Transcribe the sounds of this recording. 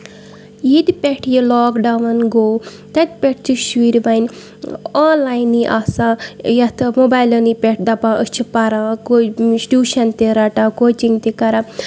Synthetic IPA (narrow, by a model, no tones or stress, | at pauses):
jid̪ipʲeʈʰjilɔːkɖɐʋɐnɡoː | t̪ɐt̪̚ʲpʲeʈ̚ʰt͡ʃuʃʋiɾbɐn | aːnlajnːiʔaːsãːjɐt̪ʰɐmobajlɐnipʲeʈʰd̪ɐpãːʔəst͡ʃʰipɐɾãːkosɖʲuːʃɐnt̪eɾɐʈãːkoːt͡ʃiŋɡt̪ikɐɾa